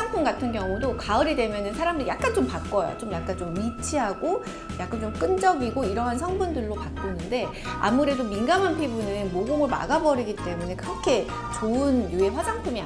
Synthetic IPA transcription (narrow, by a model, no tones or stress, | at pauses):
aŋpʰumɡatʰɯnkjʌŋudokaɯɾedwe̞mjʌnɯnsʰaɾamdɯɾijak͈ant͡ɕompak͈ʌjo̰t͡ɕomjak͈ant͡ɕomːit͡ɕʰiɦaɡo | jak͈ant͡ɕomk͈ɯnd͡ʑʌɡiɡoiɾʌɦans̬ʰʌŋbundɯɭːopakk͈unɯnde̞ | a̰muɾe̞dominɡamanpʰibunɯnmoɡomɯɭma̰ɡabʌɾiɡit͈e̞mune̞kɯɾʌkʰe̞ | t͡ɕoɯnjue̞ɸwad͡ʑaŋpʰumia